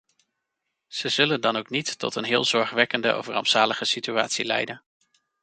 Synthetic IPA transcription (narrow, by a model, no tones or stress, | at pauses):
z̥əzɵləndɑnowknitːɔ̰tənɦɪːlˠzɔɹχʋɛkəndə̰ʔo̰fərɑ̰mtsaːləχəsitya̰ːtsilɛ̰jdən